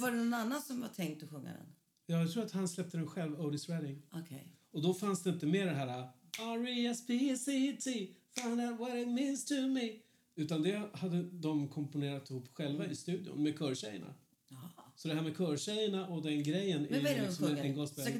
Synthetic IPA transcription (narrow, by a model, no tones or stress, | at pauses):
vaɖɛnɔnanːansɔmva̰tʰɛŋk̚t̪ɔɧɵŋːa̰ɾə̰n | jɑːjat̪ʰɾuːɾat̪hanslɛp̚t̪əɾɛnɧɛlvəːd̪ɪsɾɛd̪ɪŋɔkʰɛjɔd̪ɔfansd̪ɛɪnt̪əmeːɖɛɦæːɾaaɾiɛspʰisit̪ʰifãɪnd̪aʊt̪wɔɾɪt̪̚mĩːnst̪ʰʊmi | ʉ̟ːt̪and̪ɛhad̪ːəd̪ɔmkʰɔmpʊneːɾat̪ːɪhuːpːɧɛlvaɪst̪ʉ̟ːd̪ɪjʊ̰nmɛkʰœːɾɕɛ̰jə̰ɳa̰ | sɔd̪ɛɦæːɾmɛkʰœːɾɕɛjəɳaʔɔd̪ɛnɡɾɛjːənɛjɪksɔmɛnɡɑsbɛ